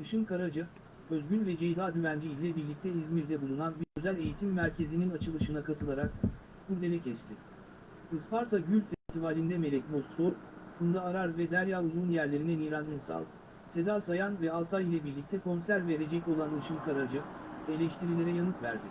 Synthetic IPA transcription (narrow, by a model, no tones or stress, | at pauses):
d̪ɯʃɯnkaɾad͡ʒɯ | øzɟynvɛd͡ʒejd̪aːd̪yvænd͡ʒiilʲɛbiɾlʲic̚t̪ʰɛizmiɾd̪ɛbulˠunanbiɾøzælʲe̞jit̪ʰimːæɾcʰe̞zininat͡ʃʰɯlˠɯʃɯnakʰat̪ʰɯlˠaɾak̚ | buɾd̪elʲɛcʰɛst̪ʰɪ | ɯspaɾt̪ʰaɟylʲfɛst̪ʰivaːlʲind̪ɛme̞lʲɛc̚bosousund̪aːɾaɾvɛd̪æɾjaːbulˠuːnjæɾlʲe̞ɾinɛnijɾanːʲinsa̰lˠɯ | se̞d̪aːsajanvɛalˠt̪ʰailʲˠabiɾlʲic̚t̪ʰɛkʰo̞nsæɾve̞ɾe̞d͡ʒɛco̞lˠand̪ɯʃɯnkʰaɾad͡ʒɯe̞lʲɛʃt̪ʰiɾilʲe̞ɾɛjanɯt̪væ̰ɾd̪ɪ